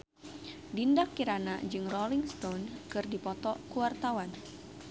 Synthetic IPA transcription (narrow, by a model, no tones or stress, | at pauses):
dindakːiɾanad͡ʒɨŋrɔliŋst̪ɔnkɨrdipɔt̪ɔkuwart̪awan